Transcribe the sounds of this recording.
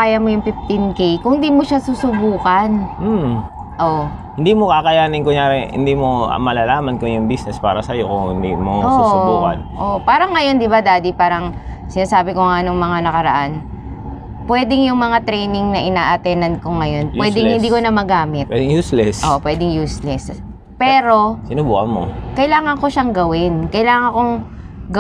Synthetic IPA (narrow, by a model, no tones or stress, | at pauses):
kaːjɐmojʊŋpɪft̪ɪnkejkʊŋhɪnd̪iːmoʃasuːsʊbuːkɐnm̩ | ʔoʔ | hɪnd̪iːmokakɐjaːnɪŋkoɲaːɾɛhɪ̰nd̪iːmo̰mɐlalaːmɐnkojʊŋbisnɛspa̰ːɾɐsɐjokʊŋhɪ̰nd̪ḭmoʔosusʊbuːkɐ̰nʔoʔpaːɾɐŋːɐjo̞nd̪ɪbad̪aːd̪ipaːɾɐŋ | sɪnaːsaːbɪkoŋanoŋmɐŋanɐkɐɾɐʔan | pwɛːd̪ɪŋjʊŋmɐŋat̪ɾɛjnɪŋnɐʔɪnaːʔɐt̪ɛnɐnkoŋɐjo̞npwɛd̪ɪŋhɪnd̪iːkonɐmɐɡaːmɪt̪wɛd̪ɪŋjuːslɛsʔoːʔpwɛːd̪ɪŋjuːslɛs | pɛːɾo̞sɪnʊbuːkɐnmo̰kɐjlaːŋɐŋko̞ʃaŋɡɐwɪnkɐjlaːŋɐŋkoŋ | ɡɐ